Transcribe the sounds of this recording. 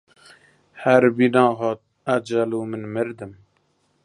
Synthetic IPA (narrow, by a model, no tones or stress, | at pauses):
hæɾbinɑːɦɑːt̪̚ | ad͡ʒaluːmɨnmɨɾd̪ɨm